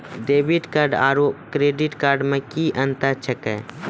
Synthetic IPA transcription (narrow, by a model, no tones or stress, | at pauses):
ɖeːbiʈkaːɾɖa̰ːɾoːkɾeːɖɪʈkaːɾɖmẽkiʔə̃nt̪at͡ʃʰəkɛ